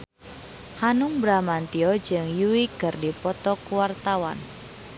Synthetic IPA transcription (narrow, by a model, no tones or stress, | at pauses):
hanʊŋbɾamant̪iɔ̥d͡ʒɨŋjuwikərdipɔt̪ɔkuwart̪awa̰n